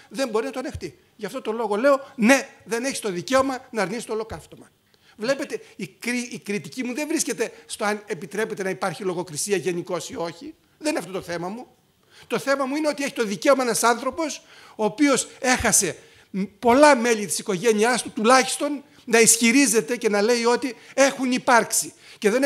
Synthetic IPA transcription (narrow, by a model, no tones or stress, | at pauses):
ðe̞mbo̞ɾinɐt̪oɐne̞xt̪i | ʝɐft̪o̞t̪o̞lo̞ɣo̞le̞o̞ne̞ðe̞ne̞çi̥st̪oðice̞o̞mɐnɐɾnisi̥t̪olo̞kɐft̪o̞mɐ | vle̞pe̞t̪e̞ikɾiikɾit̪icimuðe̞vɾisce̞t̪e̞st̪o̞ɐnepit̪ɾepe̞t̪e̞nɐipɐɾçilo̞ɣo̞kɾisiɐʝe̞niko̞sio̞çi | ðenineɐft̪ot̪oθe̞mɐmu | t̪o̞θe̞mɐmuine̞o̞t̪ie̞çi̥t̪o̞ðice̞o̞mɐenɐsɐnθɾo̞po̞s | o̞ːpio̞se̞xɐse̞ | po̞lɐme̞ʎit̪i̥siko̞ʝe̞niɐst̪ut̪ulɐçi̥st̪o̞nː | ɐisçiɾize̞t̪e̞ce̞nɐle̞io̞t̪ie̞xunipɐɾksi | ce̞ðen